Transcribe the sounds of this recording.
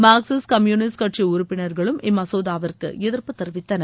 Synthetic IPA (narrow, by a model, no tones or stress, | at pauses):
maːksɪskɐmjuːnɪskɐʈriʊɾʊpːɪnɐɾɣɐɭɯmɪmːɐsoːðaːʋɐrkɯ̰ɛðɪrpɯt̪ːɛɾʋɪt̪ːɐnɐ